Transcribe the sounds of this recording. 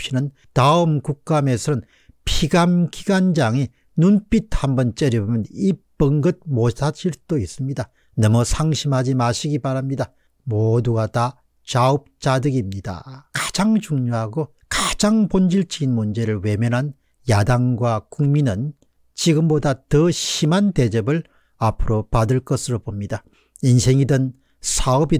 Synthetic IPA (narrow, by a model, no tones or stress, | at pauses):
pɕ͈inɯn | taɯmkuk̚k͈amesʰʌɯn | pʰiɡamɡiɡand͡ʑaŋi | nunp͈it̚hambʌnt͡ɕ͈eɾibomjʌnipɯŋɡɯt̚mosʰat͡ɕʰiɾt͈ois͈ɯmɲida | nʌmʌsʰaŋɕʰimɦad͡ʑimaɕʰiɡipaɾamɲida | moduɡata | t͡ɕaɯp̚t͡ɕadɯɡimɲida̰kad͡ʑaŋt͡ɕuŋɲoɦaɡo | kad͡ʑaŋpond͡ʑiɭt͡ɕ͈ʰiɡinmund͡ʑe̞ɾɯɭwe̞mjʌnɦan | jadaŋɡwakuŋminɯn | t͡ɕiɡɯmbodatɯɕimante̞d͡ʑʌbɯɭ | apʰɯɾopadɯɭk͈ʌsʰɯɾopomɲida | insʰe̞ŋidɯn | sʰaʌbi